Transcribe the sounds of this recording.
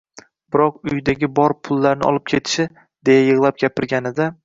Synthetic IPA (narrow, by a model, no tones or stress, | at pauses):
bɪɾɒqʊjd̪aɡʲɪbɒɾpʰʊlˠːaɾnɪ̰ɒ̰lˠɪp̚kʲʰe̞t̪ʰɪ̥ʃɪ | d̪e̞jajɨʁlˠap̚ɡʲapʰɪɾɡʲanɪd̪a